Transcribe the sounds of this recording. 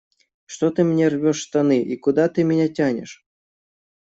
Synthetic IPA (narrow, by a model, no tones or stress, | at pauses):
ʂt̪ot̪ɨmʲnʲervʲɔʂst̪anɨʔikud̪at̪ɨmʲɪnʲatʲanʲɪ̰ʂ